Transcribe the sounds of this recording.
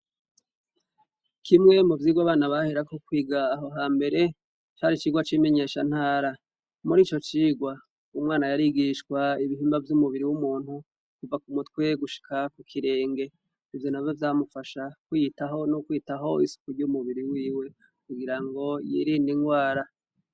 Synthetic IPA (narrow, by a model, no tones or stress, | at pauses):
kʰimŋe̞muvjiːɡwaβaːnaβaheɾakokwiːɡaːɦo̞ɦaːmbe̞ɾe̞ | t͡ʃaɾit͡ʃiːɡwat͡ʃime̞ɲe̞ːʃan̥haːɾa | muɾiːt͡ʃo̞t͡ʃiːɡwa | umŋaːnajaɾiɡiʃkwaiβiɦiːmbavjumuβiɾiwumuːn̥hu | kuvakumutwe̞ɡuʃi̥kʰakukʰiɾe̞ːŋɡe̞ | ivjo̞navjovjaːmufaʃakwjitaɦonukwiːtaɦo̞isu̥kuɾɟumuβiɾiwiːwe̞ | kuɡiɾaŋɡo̞jḭɾiniŋɡwaːɾa